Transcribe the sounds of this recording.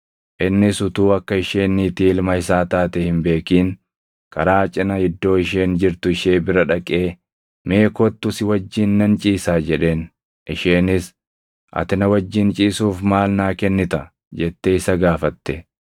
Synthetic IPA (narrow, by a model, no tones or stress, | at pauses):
ʔɪnːɪsʊt̪uːɐkːɐɪʃeːnːiːt̪iːɪlmɐɪsaːt̪aːt̪ɛhɪmbe̞ːkiːŋ | kʰɐɾaːt͡ʃʼɪnɐhɪd̪ːo̞ːɪʃ̬e̞ːnd͡ʒɪɾt̪ʊɪʃeːbɪɾɐᶑɐkʼeː | me̞ːkɔt̪ːʊsɪwɐd͡ʒːiːnːɐnt͡ʃʼiːsaːd͡ʒɛᶑe̞ːn | ʔɪʃeːnɪs | ʔɐ̰t̪ɪnɐwɐd͡ʒːɪnt͡ʃʼiːsuːfmaːlnaːkɛnːɪt̪ɐ | d͡ʒɛt̪ːeɪsɐɡaːfɐt̪ːɛ